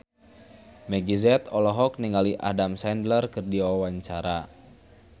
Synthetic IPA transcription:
mɛɡizɛt̪ɔlɔɦɔk̚niŋɡaliʔa̰damsɛndlərkɨrdiwawaɲt͡ʃaɾa

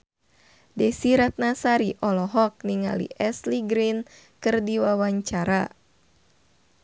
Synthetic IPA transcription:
dɛsiɾat̪̚nasaɾiʔɔlɔɦɔk̚niŋa̰lḭʔɛsliɡɾin | kɨrdiwawaɲt͡ʃaɾa

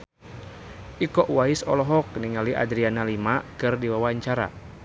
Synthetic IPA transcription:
ʔikɔʔwaisɔ̰lɔɦɔk̚niŋaliʔa̰dɾianalimakɨrdiwawaɲt͡ʃaɾa̰

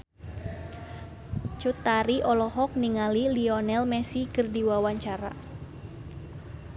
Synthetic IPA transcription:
t͡ʃut̪aɾiʔɔlɔɦɔk̚niŋaliliɔnɛlmɛsikɨrdiwawaɲt͡ʃaɾa̰

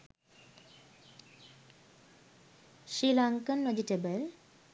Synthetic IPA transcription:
ʃilaŋkənʋed͡ʒiʈebəl

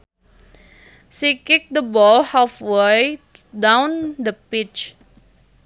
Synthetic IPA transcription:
sikik̚d̪əbɔlhafwe | dãwndəpit͡ʃ

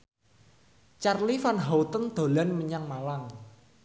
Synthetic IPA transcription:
t͡ʃarlifanɦawt̪ənd̪̥o̤lanməɲaŋmalaŋ

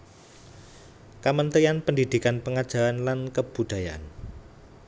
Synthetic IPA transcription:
kamənt̪ɾianpəndid̪̥i̤kanpəŋad̥ʒ̥a̤anlankəb̥ṳd̪̥a̤ja̰n

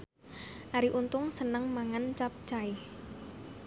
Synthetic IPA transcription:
ʔaɾiʔunt̪ʊŋsənəŋmaŋant͡ʃap̚t͡ʃaɪh

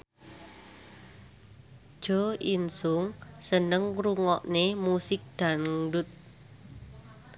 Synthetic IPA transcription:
d̥ʒ̥ɔ̤insʊŋsənəŋruŋɔʔnemusɪk̚d̪̥a̤ŋɖʊt̪̚

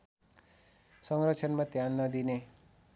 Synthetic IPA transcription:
sʌŋrʌt͡sʰʌnmat̪janːʌd̪ine

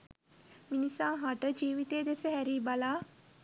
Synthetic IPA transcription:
minisaːɦaʈəd͡ʒiːʋit̪eːd̪esəɦæɾiːbalaː

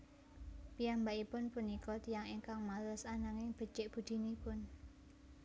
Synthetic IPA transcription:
pijambaʔipʊnpunikɔt̪ijaŋiŋkaŋmalʊsanaŋɪŋb̥ə̤t͡ʃɪʔb̥ṳd̪̥i̤nipʊn

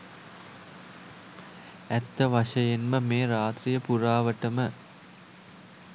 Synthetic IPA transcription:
æt̪ːəʋaʂəjenməmeːɾaːt̪rijəpuɾaːʋəʈəmə

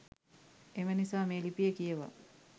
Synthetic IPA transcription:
emənisaːmeːlipijəkijəʋa̰

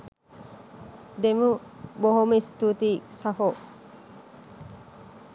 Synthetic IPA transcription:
d̪emuboɦomest̪ut̪isaɦo

